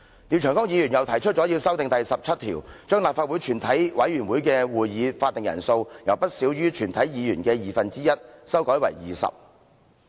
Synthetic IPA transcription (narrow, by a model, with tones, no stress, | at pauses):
t̪i˨˧wt͡ʃʰːŋkɔː˥ŋjiː˨˧jyː˨˩njɐ˨˩wt̪ʰɐ˨˩jt͡ʃʰɵ˥t͡sɔː˨˥ji˧wsɐ˥wt̪ɪ˨ŋt̪ɐ˨jsɐ˨p̚t͡sʰɐ˥t̚t̪ʰḭː˨˩wt͡ʃœː˥ŋlaː˨p̚faː˧t̚wuː˨˥jt͡ʃʰyː˨˩nt̪ʰɐ˨˥jwɐ˨˥jyː˨˩nwuː˨˥jkɛː˧wuː˨jjiː˨˧faː˧t̪̚ɪ˨ŋjɐ̰˨˩nso˧wjɐ˨˩wpɐ˥t̚siː˨˥wjyː˥t͡ʃʰyː˨˩nt̪ʰɐ˨˥jjiː˨˧jyː˨˩nkɛː˧jiː˨fɐ˨nt͡siː˥jɐ˥t̚sɐ˥wkɔː˨˥jwɐ̰˨˩jjiː˨˩sɐ̰˨p̚